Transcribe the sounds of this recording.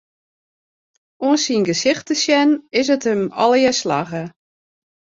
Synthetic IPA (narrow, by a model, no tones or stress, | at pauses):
oənsinɡəsɪxtəsjɛnɪs̬ətəmɔ̰lˠjəslaɣə